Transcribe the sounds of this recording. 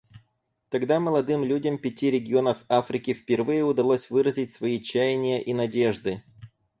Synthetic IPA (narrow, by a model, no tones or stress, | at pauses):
t̪ɐɡd̪aməlˠɐd̪ɨmlʲudʲəmpʲɪtʲiɾʲɪɡʲɪo̞nəfafɾʲɪkʲɪfpʲɪrvɨjəʊd̪ɐlˠosʲvɨɾəzʲɪtʲsvɐit͡ɕæjɪnʲɪjəʔinɐdʲe̞ʐd̪ɨ